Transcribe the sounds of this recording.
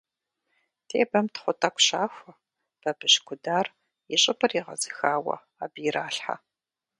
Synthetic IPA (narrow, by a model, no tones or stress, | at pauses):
tʰḛːbɐmtʰχʷʊtʰʼɐkʷɕaːxʷɐ | b̥ɐbɨɕkʷʰʊdaːr | jɪɕʼɪpʰʼɨriʁɐ̰zɨxaːwɐ̰ | aːbiɾaːɬħa̰